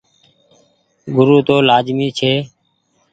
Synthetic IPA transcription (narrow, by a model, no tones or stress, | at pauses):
ɡʊɾuːt̪oːlaːd͡ʒmiːt͡ʃʰeː